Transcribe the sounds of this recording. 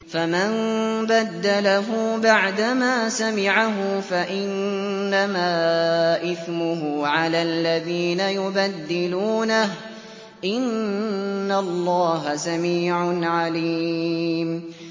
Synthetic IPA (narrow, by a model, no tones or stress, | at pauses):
famanbad̪ːalaɦʊbaʕd̪amaːsamɪʕaɦʊfaʔɪnːamaːʔɪθmʊɦʊʕalaːlːaðiːnajʊbad̪ːɪluːnaɦ | ʔɪnː | alˤːɑːɦasamiːʕʊnʕaliːm